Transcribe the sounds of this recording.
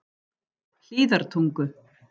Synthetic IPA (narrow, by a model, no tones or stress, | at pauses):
l̥iːðaɾ̥t̪ʰuŋkʏ